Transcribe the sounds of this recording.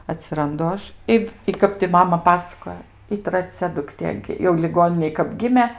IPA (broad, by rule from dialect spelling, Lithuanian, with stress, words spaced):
ɐtʲsʲɪrɐnˈdʊ ˈɐʃ ˈɪ ɪ ˈkɐp tʲɪ ˈmɑːmɐ ˈpɑːsɐkoːjoː ɪ trɐˈt͡sʲɛ dʊkˈtʲeː jɛʊ lʲɪˈɡoːnʲɪnʲeːj kɐp ˈɡʲɪmʲeː